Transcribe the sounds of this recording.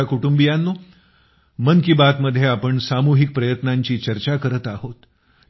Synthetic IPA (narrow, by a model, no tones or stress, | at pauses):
akuʈumbijanːu | mənkibat̪məd̪ʱːjeapəɳsamuɦik̚pɾəjət̪naɲt͡ɕiːt͡ɕəɾt͡ɕakəɾət̪aɦot̪